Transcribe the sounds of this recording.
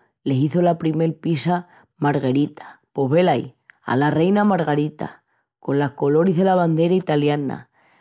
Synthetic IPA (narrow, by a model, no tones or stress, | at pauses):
le̞siθolapɾime̞lpisa | maɾɣe̞ɾit̪ʰḁpo̞ɦβe̞laj | a̰lare̞jnamaɾɣaɾit̪a̰ | ko̞nlahko̞lo̞ɾizðe̞laβand̪e̞ɾait̪aljana̰